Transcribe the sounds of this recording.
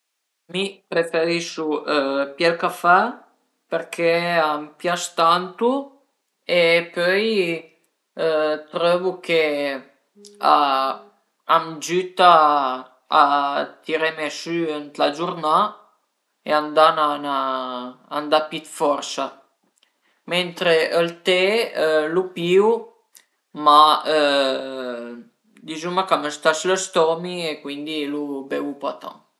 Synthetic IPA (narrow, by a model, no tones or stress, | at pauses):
mipɾefeɾiʃupjɛlkafɛ | pɛɾkʰeampjaʃt̪ant̪u | epœj | t̪ɾɔvukʰe | a | amd͡ʒyt̪aː | t̪iɾɛmɛʃyənt̪lad͡ʒuɾna | eand̪ananaː | nd̪apit̪fɔrsa | ment̪ɾeʔəlt̪elupiːu | maə | d̪izumakaməst̪asləst̪ɔmiekwind̪ilubɛupat̪a̰